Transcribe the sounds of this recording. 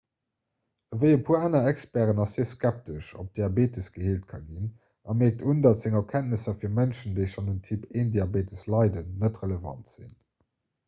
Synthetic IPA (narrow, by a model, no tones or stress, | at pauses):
əvəɪəpʰuːaːnɐækspæʁənɑsiːskæp̚təʃo̰p̚d̥iɑbeːtʰəsɡ̥əheːltkʰɑ̰ɡin | ɑmeːk̚tʰundɑtz̥ɪŋəkʰæntəsɐfiːɐmænʃəndeɪʃɑnuntʰipʰeːndiɑbeːtəslɑɪdənːətʁələvɑ̰ntz̥ḭn